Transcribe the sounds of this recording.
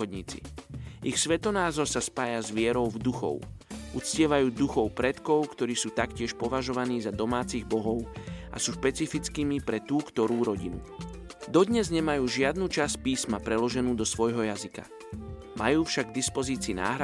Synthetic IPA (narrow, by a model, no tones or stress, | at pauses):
ɔd̪ɲḭːt͡sḭʔixsʋɛt̪ɔnaːzɔɾsaspaːjazʋɪɛɾɔʊvd̪uxɔ̰ʊʔut͡scɪɛʋajuːd̪uxɔʊpɾɛt̪kɔʊkt̪ɔɾiːsuːt̪akcɪɛʃpɔʋaʒɔʋaniːzad̪ɔmaːt͡siɣbɔɦɔʊʔa̰suːʃpɛt͡sifit͡skiːmipɾɛt̪uːkt̪ɔɾuːɾɔɟinṵ | d̪ɔd̪ɲɛzɲɛmajuːʒɪad̪nuːt͡ʃas̚piːsmapɾɛlɔʒɛnuːd̪ɔsʋɔjɦɔjazika̰ | majuːfʃaɡɡd̪ispɔziːt͡siːna̰ːɦɾa